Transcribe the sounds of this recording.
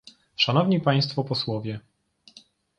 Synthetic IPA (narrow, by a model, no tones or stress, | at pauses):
ʂanɔvɲipaj̃st̪fɔpɔswɔvʲjɛ